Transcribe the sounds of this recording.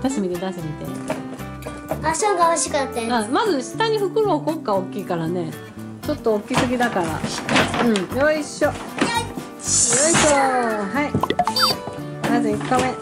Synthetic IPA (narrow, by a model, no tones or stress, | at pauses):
t̪asɨmʲid̪ed̪asɨmʲit̪ḛ | asoɡaaɕikat̪ːeãmazɨɕi̥t̪aɲ̟iɸɯ̟kɯ̟ɾoːko̞kːaokʲiːkaɾane̞ | t͡ɕo̞t̪ːookʲisɨɡʲid̪akaɾa̰ɯ̃joiɕːo | joiɕoɦai | nazeikːamẽ